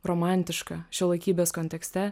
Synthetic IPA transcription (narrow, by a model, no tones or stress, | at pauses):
ɾoːmɑˑnʲt̪ʲɪʃkɐʃʲɛlˠɐɪkʲiːbʲeːskonʲt̪ʲɛksʲt̪ʲɛ